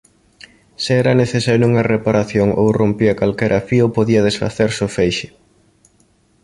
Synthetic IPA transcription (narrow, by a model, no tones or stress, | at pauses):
seɛɾɐneθesaɾuŋɐrepaɾaθjoŋʔo̰wrompiɐkalkɛɾʔɐfiopoðiɐð̞esfa̰θeɾsʊfejʃɪ